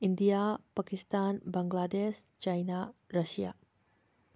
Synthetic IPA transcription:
ind̪ijapakist̪aːnbaŋɡlad̪eʃ | t͡ʃajnaɾɐʃija̰

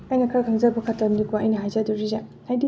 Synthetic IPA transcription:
ajnɐkʰaɾkʰaŋzɐbɐkʰatɐmdikoɐjnɐɦajzaduɾiza | hajdi

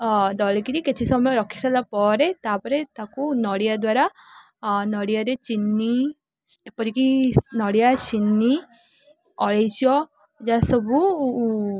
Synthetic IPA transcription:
d̪ɔlkiɾiket͡ʃʰisɔmɔjɔɾɔkʰi̥salapɔɾet̪apɔɾet̪akunɔɽijad̪waɾa | nɔɽijaɾet͡ʃinːi | pɔɾikinɔɽijasinːi | ɔɭejt͡ʃijɔ | d͡ʒasɔbu

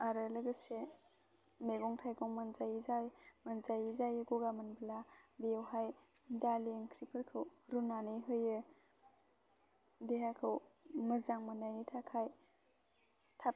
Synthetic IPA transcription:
aɾalɯɡɯse | meɡɔŋtʰajɡɔŋmanzajizajmənzajizajɯɡuɡamɯnblabewhaj | daleŋkʰɾipʰɯɾkʰɯwɾunanɯɦɯjɯ | deɦajkʰɯwmɯzaŋmanajnitʰakʰaj | tʰa

